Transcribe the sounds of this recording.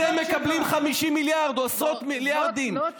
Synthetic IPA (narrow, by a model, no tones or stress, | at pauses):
emːekablimχamiʃimiljaʁd̪oasʁot̪miljaʁd̪in